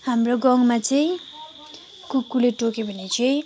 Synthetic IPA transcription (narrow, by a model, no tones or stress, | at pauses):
hamroɡʌŋmat͡sʌĩ | kukːuleʈokebʱʌnet͡sʌĩ